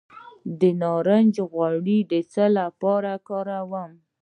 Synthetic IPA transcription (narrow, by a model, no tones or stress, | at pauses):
d̪ənɑɾənd͡ʒɣwaɽid̪ət͡səlapɑɾakɑɾawəm